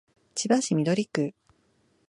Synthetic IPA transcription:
t͡ɕibaɕimʲid̪o̞ɾʲikɯ̟

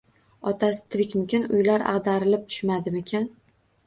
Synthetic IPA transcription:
ɒt̪ʰasɪ̥t̪ʰɾɪkʲmʊkʲɪnʊjlaɾɑ̰ʁd̪aɾɪlɪp̚t̪ʰʊ̥ʃmad̪ɪmɪkʲʰan

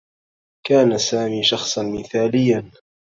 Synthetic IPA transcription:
kaːnasaːmiːʃɑxsˤɑnmɪθaːlɪjːan

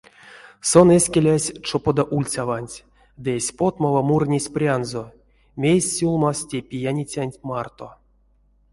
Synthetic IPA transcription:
so̞nesʲkʲelʲasʲt͡ʂopod̪aʔulʲt͡sʲavanʲtʲ | d̪ɨesʲpo̞t̪mavamurnʲesʲprʲanzo | mʲejsʲːulˠmastʲepʲijanʲit͡sʲanʲtʲmart̪o̰

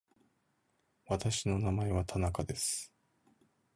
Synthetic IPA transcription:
βat̪aɕino̞namae̞β̞at̪ʰanakad̪e̞sɨ̥

